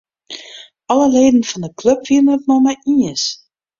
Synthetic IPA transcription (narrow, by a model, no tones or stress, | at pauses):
ɑləleːdən̩fɑndəklɵpviəənət̚nɔmaʔiəs